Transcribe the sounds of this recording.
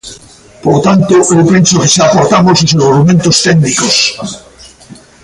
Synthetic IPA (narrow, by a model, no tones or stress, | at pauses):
poɾt̪ant̪oʔewpensokeseapoɾt̪amososeɾɣoɾumẽnt̪ost̪end̪ikos